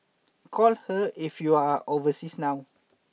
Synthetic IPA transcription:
kʰɔlhəifjuaovəsisnaw

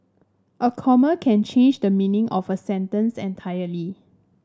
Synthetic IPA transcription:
ʔəkʰɔməkʰɛ̃nt͡ʃʰẽnd͡ʒdəmĩnĩŋʔɔfəsɛ̃ntə̃nsɛ̃ntʰajəli

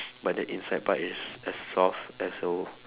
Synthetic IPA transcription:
bat̚dəʔĩnsajt̚baʔisɛsːɔfɛso

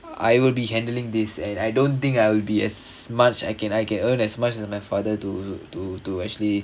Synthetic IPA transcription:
ʔa̰jwɪlbihɛ̃ndəlĩŋd̪ɪsɛ̃najdõnt̪ɪ̃ŋkajwɪlbiɛsmat͡ʃajkɛ̃najkɛ̃nə̃nɛsmat͡ʃɛsmajfadətututuɛk̚t͡ʃuəli

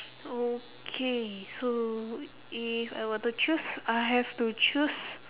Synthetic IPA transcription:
o | kʰeso | ifa̰jwɔt̪ut͡ʃusajɦɛftut͡ʃus

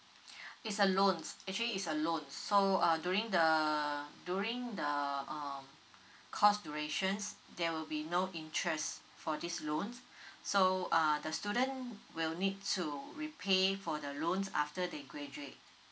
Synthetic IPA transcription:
itsəlõnsɛk̚t͡ʃuəliːtsəlõnsːoʌdjuɹĩŋdə | djuɹĩŋdəʌm | kʰɔsduɹeʃə̃nsdɛwilbinoʔĩntʰɹɛs | fɔdislõnsːoʌdəstjuɾə̃nwilnid̚tʰuɹipʰefɔdəlõnsa̰ftədeɡɹɛd͡ʒuet̚

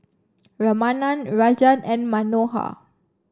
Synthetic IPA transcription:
ɹamanãnɹad͡ʒãnɛ̃nmanoha̰

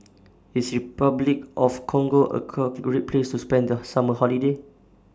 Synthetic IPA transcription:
isɹipablikʔɔfkʰɔ̃ŋɡoʔə̰kʰɔɡɹet̚pʰlestuspɛ̃ndəsaməhɔlide

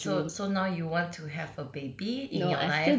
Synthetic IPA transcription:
sosonaʊjuwɔ̃ntʰuɦɛvəbeɪbiɪ̃njɔa

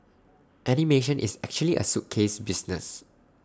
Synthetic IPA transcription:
ʔɛnimeʃə̃nʔḭsɛk̚t͡ʃuəliʔə̰sup̚kʰesbisnə̰s

